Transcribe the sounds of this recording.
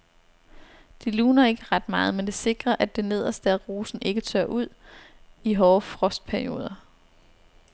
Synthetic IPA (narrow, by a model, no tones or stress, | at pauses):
d̥iluːnɐe̝ɡ̥əʁɑ̈d̥mɑ̈ːð̞̩ˠmend̥e̝se̝ɡ̥ʁɐʔæd̥e̝ne̝ð̞̰ˠɐsd̥æʁo̝ːsn̩ʔe̝ɡ̥ət͡sʰɶɐ̰ʔuð̰ˠ | iɦɒːfʁɒ̽sd̥̚pʰæɐio̝̰ːð̞ˠɐ